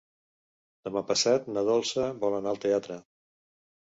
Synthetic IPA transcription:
d̪̥əmapəsat̪nəðɔlˠsəβɔlənaəlˠt̪eat̪ɾə

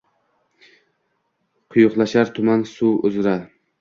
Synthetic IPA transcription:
qʰʊjʊqlˠaʃaɾt̪ʰʊmansuʊzɾaɾ

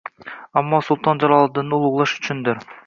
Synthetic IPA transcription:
ɑmːɑsulˠt̪ɑnd͡ʒɑɾɑlˠɯd̪ɯnulˠuʁlˠɑʃy̥t͡ʃʰynd̪ɪɾ

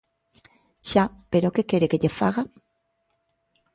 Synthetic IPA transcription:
ʃapeɾokekeɾekeʎefaɣa

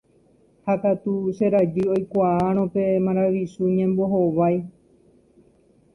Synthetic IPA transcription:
hakat̪uʃeɾad͡ʒɨo̞jkʷaaɾ̃õpe̞mãɾaʋisuɲẽmbo̞ɦoʋaj

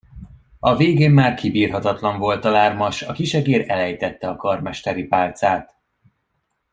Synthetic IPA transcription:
ɒveːɡeːmːaːrkibiːrɦɒt̪ɒt̪lɒɱvo̞lt̪ɒlaːrmɒʃɒkiʃɛɡeːɾɛlɛjt̪ɛt̪ːɛɒkɒrmɛʃt̪ɛɾipaːlt̪saːt̪

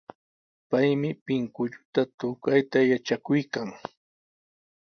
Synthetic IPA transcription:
pajmɪpɪŋkʊʎʊt̪at̪ʊkajt̪ajat͡ʃakʊjkaŋ

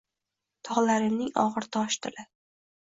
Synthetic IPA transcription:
t̪ʰɒʁlaɾɪmnɪŋɒ̰ʁɨɾt̪ʰɒʃt̪ʰɪlɪ

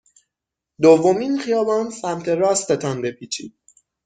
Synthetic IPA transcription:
d̪ovːo̞miːnxijɒːbɒːnsæmt̪ʰe̞ɾɒːst̪ʰet̪ʰɒnbe̞pʰiːt͡ʃʰḭːd̪̥̚

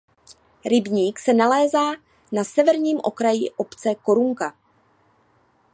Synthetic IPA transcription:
ɾɪbɲiːksɛnalɛːzaː | nasɛvɛɾɲiːmʔo̞̰kɾajiʔo̞pt͡sɛko̞ɾuŋka

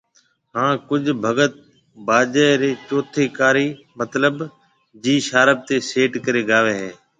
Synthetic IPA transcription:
ɦãːkʊd͡ʒʱbʱəɡət̪̚ | baːd͡ʒəːɾeːt͡ʃoːt̪ʰeːkaːɾiː | mət̪ləb | d͡ʒiːʃaːɾəb̚t̪eːseːʈkəɾeːɡaːʋeːɦẽː

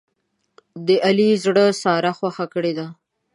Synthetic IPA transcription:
d̪əʔalizɽəsɑɾaxwaxakəɽed̪a

